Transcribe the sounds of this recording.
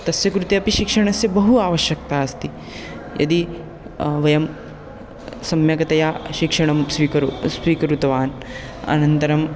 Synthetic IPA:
t̪ɐsjɐkɾut̪eɐpiʃikʂɐɳ̃ɐsjɐbɐɦuaːʋɐʃjɐk̚t̪aɐst̪i | jɐ̰d̪i | ʋɐjɐm | sɐmjɐkɐt̪ɐjaːʃikʂɐɳ̃ɐmsʋikɐɾsʋiːkɐɾut̪ɐʋaːn | ɐ̰nɐnt̪ɐɾɐm

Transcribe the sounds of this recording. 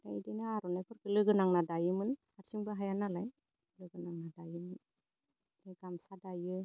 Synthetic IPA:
da̰jdenaaɾɔnajkʰɔɾkɯlɯɡɯnaŋnadajɯmɯnhaɾsiŋbɯɦajanalaj | lɯɡɯnaŋnadajɯmɯn | eɡamsadajɯ

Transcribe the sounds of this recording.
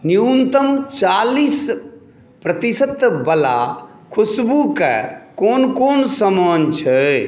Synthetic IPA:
niunt̪əmt͡ʃalis | pɾət̪isət̪bəla̰ | kʰusbukɛ̰konkonsəmənt͡ʃʰɛ

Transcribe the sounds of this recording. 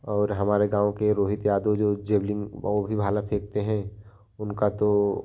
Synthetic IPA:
ɔːɾɦɐmaːɾeɡãːõkeɾoːɦɪt̪jaːd̪od͡ʒoːd͡ʒeːblɪ̃ŋɡ̰bʱibʱaːlapʰeːk̚t̪eɦɛ̃ | ʊnkat̪o

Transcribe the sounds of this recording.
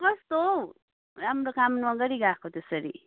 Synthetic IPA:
bʌst̪o | ɐmɾokamnmɐɡəɾiɡaːkʰot̪esəɾḭ

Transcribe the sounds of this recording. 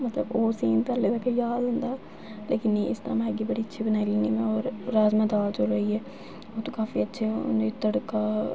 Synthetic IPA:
mət̪ləboːsiːnt̪əɾlebɛːkejaːd̪ɦʊ̃nd̪aː | leːkɪnːiɪst̪ã̰ːmaɛɡiːbəɽiːətːʃʰiːbənaːiliːniːmɛ̃ːɔːɾːaːzmãːd̪aːld͡ʒoɾəiːɛː | oːt̪õːkaːfiːətːʃʰḛnd̪iːt̪əɽkaː

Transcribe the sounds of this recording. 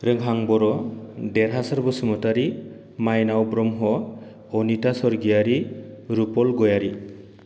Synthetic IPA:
ɾɯŋɦaŋbɔɾɔdɛɾɦasaɾbɔsumɔtaɾi | majnawbɾɔmɦɔ | ɔnitasɔɾɡijaɾiɾupɔlɡɔjaɾi

